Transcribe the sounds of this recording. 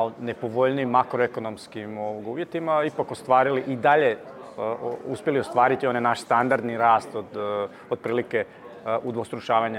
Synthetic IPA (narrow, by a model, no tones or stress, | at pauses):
onepoʋoʎnimːakɾoeko̞nomskimoʋoɡuːʋje̞t̪imaipakost̪ʋaːɾiliʔid̪aʎe | uspjelio̞st̪ʋaːɾit̪io̞nenaʃst̪and̪aɾd̪niɾaːst̪od̪ | od̪̚pɾiːlike | ud̪ʋost̪ɾuʃaːʋaɲa